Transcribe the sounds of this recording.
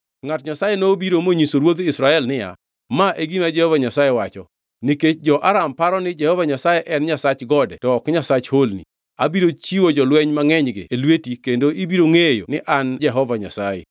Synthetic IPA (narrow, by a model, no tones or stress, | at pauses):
ŋatɲasajenobiɾomoɲisoɾwod̪ɪsɾaɛlnɪja̰ | maʔeɡimad͡ʒɛhɔvaɲasajewat͡ʃɔ | nɪket͡ʃd͡ʒɔʔaɾampaɾɔnɪd͡ʒɛhɔvaɲasajeʔɛnɲasat͡ʃɡɔdɛtɔːkɲasat͡ʃholnḭ | abiɾot͡ʃiwod͡ʒɔlwɛɲmaŋɛɲɡɪ̰elwetikendoibiɾoŋejo̰nɪʔand͡ʒɛɦɔvaɲa̰sajḛ